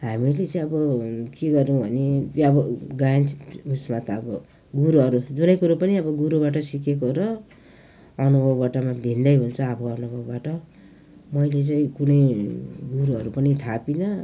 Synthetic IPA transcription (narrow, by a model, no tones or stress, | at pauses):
ɦamilet͡saĩʌbʌkeɡʌɾuũbʱʌnet̪ʌbʌɡajnt͡si̥t̪usmat̪ʌbʌ | ɡuɾuʌɾud͡zunʌjkuɾapʌniʌbʌɡuɾubaʈ̬ʌsikekoɾʌ | ʌnubʱʌbːaʈʌmabʱind̪ʌjɦunt͡sʰʌːbʌʌnubʱʌbːaʈʌ | mʌjlet͡sʌĩkunʌjɡuɾuʌɾupʌnit̪ʰapinʌ